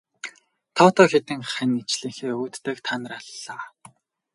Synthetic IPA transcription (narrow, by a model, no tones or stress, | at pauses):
t̪ʰɔːt̪ʰɔːxet̪ɘ̆ŋχænit͡ɕɮiːŋxeːɵːt̪ːæːkt̪ʰanə̆raɮːaː